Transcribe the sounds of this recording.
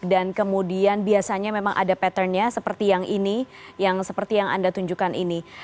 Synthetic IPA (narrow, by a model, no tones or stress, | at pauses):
dankəmudianbiasaɲamemaŋʔa̰dapɛt̪ərɲasəpərt̪ijaŋʔinijaŋsəpərt̪ijaŋa̰ndat̪uɲd͡ʒukanʔini